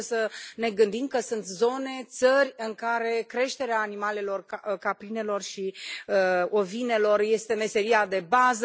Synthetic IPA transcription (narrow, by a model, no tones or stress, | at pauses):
səne̞ɡɨnd̪imkəsunt̪zo̞ne̞t̪sərʲɨŋkaɾe̞kɾe̞ʃt̪e̞ɾeaːnimale̞lo̞rkapɾine̞lo̞rʃiəo̞vine̞lo̞rje̞st̪e̞me̞se̞ɾiad̪e̞bazə